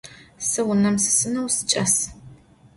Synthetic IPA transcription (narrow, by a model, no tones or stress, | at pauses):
sɨwʊnɐmsɨ̥sɨnɐwsɨ̥t͡ʃʼɐs